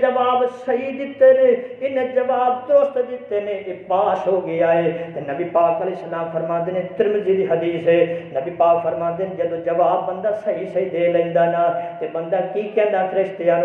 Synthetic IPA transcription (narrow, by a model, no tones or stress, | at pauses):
d͡ʒɐʋaːbsɐɦid̪ɪt̪eːneɪned͡ʒɐʋaːbd̪oːst̪d̪ɪt̪ːenẽʔepaːsɦoːɡɪjaːɦeːt̪enɐbipaːkɐlɛːsːɐlaːmfʰɐɾmãːnd̪eːnẽt̪ɪɾmd͡ʒiːd̪iːɦɐd̪iːsenɐbipaːkfʰɐɾmãːnd̪ened͡ʒɐd̪od͡ʒɐʋaːbːɐ̃nd̪aːsɐɦisɐɦid̪eːlɐɪ̃ːnd̪aːnaːt̪ebɐ̃nd̪aːkiːkɛ̃ːnd̪aːt̪ʰɾest̪ɪjaːn